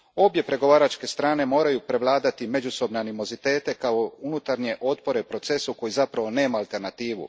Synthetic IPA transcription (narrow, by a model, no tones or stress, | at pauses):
o̞bje̞pɾe̞ɡo̞ʋaːɾat͡ʃke̞st̪ɾaːne̞mo̞ːɾajupɾe̞ʋlˠaːd̪at̪ime̞d͡ʒuso̞bneanimo̞zit̪e̞ːt̪e̞kao̞unut̪aɾɲe̞ʔo̞t̪̚po̞ɾepɾo̞t̪se̞suko̞jizapɾaʋo̞ne̞ːmaːlˠt̪e̞ɾnat̪iːʋṵ